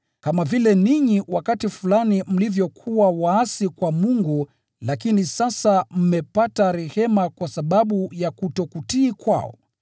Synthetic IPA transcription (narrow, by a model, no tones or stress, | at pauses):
kamavilɛniɲiwakatifulanim̩livjɔkʰuwawaasikwamuŋɡu | lakinisasam̩mɛpataɾɛhɛmakwasaɓaɓujakutɔkutiːkwa̰ɔ̰